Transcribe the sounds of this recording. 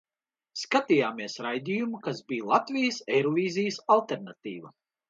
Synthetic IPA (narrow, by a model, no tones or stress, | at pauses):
skat̪ijaːmiɛsɾajd̪ijumukazbiːjlˠat̪vʲijəsɛjɾɔvʲiːzijəsalˠt̪eɾnat̪iːvɐ̰